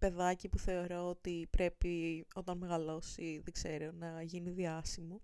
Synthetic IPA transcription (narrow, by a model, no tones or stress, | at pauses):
pe̞ðɐcipuθe̞o̞ɾo̞ot̪ipɾe̞pio̞t̪ɐnme̞ɣɐlo̞siðeɡ̥z̥e̞ɾo̞nɐʝiniðiɐsimo